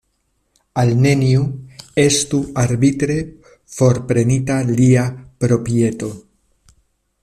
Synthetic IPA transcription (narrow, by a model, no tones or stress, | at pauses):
alne̞niue̞st̪uaɾbitɾe̞ | fo̞ɾpɾe̞nitaliapɾo̞pie̞t̪o̞